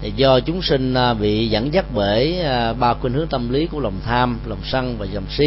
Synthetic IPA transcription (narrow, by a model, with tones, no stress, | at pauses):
zɔ˧t͡ɕʊ˨˦ŋ͡msï˧ŋ̟˧ɓḭ˧˨za̰ː˧˩ŋza˦˥k̚ɓe˧˩jɓaː˧kwe˧nhɨ˨˦˥əŋt̪ə˧mli˨˦ku˧˩əla˨˩wŋ͡mt̪ʰaː˧mla˨˩wŋ͡msa˧ŋvaː˨˩za˨˩wŋ͡msi˧˦